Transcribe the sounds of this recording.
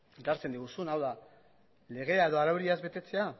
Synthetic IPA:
et̪aɾt͡se̞nd̪iɣ̞usunawða | le̞ɣ̞e̞ae̞ðo̞aɾawɾiazbe̞t̪e̞t͡se̞a

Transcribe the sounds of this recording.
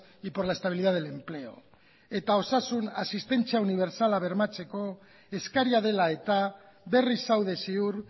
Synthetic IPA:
ipoɾlae̞st̪aβiliðaðele̞mple̞o̞̰ | e̞t̪ao̞sasunasist̪e̞nt͡siauniβ̞e̞ɾsalaβ̞e̞ɾmat͡se̞ko̞ | e̞skaɾiaðe̞lae̞t̪a | βe̞risawð̞e̞siuɾ

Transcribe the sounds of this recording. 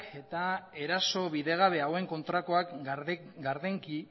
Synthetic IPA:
ke̞t̪aeɾaso̞βiðe̞ɣ̞aβ̞e̞awe̞ŋko̞nt̪ɾako̞ak | ɡaɾðeŋki

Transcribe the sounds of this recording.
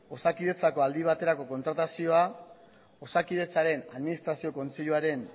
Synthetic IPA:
o̞sakiðe̞t͡sako̞ald̪iβ̞at̪e̞ɾako̞ko̞nt̪ɾat̪asio̞a | o̞sakið̞e̞t͡saɾe̞naðminist̪ɾasio̞ko̞nt͡seʎuaɾe̞n

